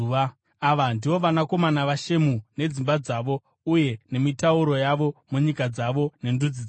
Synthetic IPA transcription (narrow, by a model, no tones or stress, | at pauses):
a | aʋandiʋo̞ʋanako̞manaʋaʃe̞mune̞d͡zimbad͡zaʋo̞ | uje̞ne̞mitauɾo̞jaʋo̞muɲikad͡zaʋo̞ne̞ndud͡zid͡z